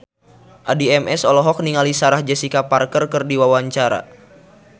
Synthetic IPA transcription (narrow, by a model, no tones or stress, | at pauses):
ʔadiɛmɛsɔlɔɦɔk̚niŋalisaɾahd͡ʒɛsikaparkərkərdiwawaɲt͡ʃaɾa̰